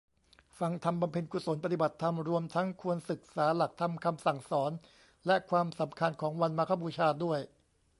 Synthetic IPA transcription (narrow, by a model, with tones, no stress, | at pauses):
fa˧ŋt̪ʰa˧mba˧mpʰe˧nku˨˧so˩˦npa˧t̪i˨˩ba˨˩t̪ʰːa˧mɾu˧əmt̪ʰa˦˥ŋkʰu˧ənsɯ˨˩k̚saː˩˦la˨˩k̚t̪ʰa˧mkʰa˧msa˨˩ŋsɔː˩˦n | lɛ˦˥kʰwaː˧msa˩˦mkʰa˧nkʰɔː˩˦ŋwa˧nmaː˧kʰaː˧˥˩buː˧t͡ɕʰaː˧du˥˩əj